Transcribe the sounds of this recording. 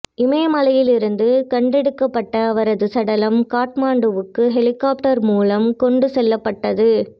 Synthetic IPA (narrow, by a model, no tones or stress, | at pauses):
ʔɪmɐjɐmɐlɐjɪlɪɾɯnd̪ɯkɐɳɖɛɽɯkːɐpːɐʈːɐːʋɐɾɐðɯsɐɽɐlɐmkaːʈmaːɳɖɯʋɯkːɯɦɛlɪkaːp̚ʈɐɾmuːlɐmkɔɳɖɯsɛlːɐpːɐʈːɐðɯ